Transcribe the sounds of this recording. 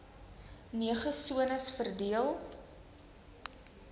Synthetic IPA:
niəχəsuənəsfərdiəlˠ

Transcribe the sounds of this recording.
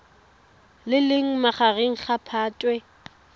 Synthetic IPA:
lɪlɪŋ̩maχaɣeŋ̩χapʰaːtʼwɛ

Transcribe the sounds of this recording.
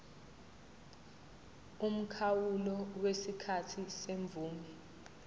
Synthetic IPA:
um̩kʰawulɔwesikʰatʰiseɱb̪vʱuːmɛ

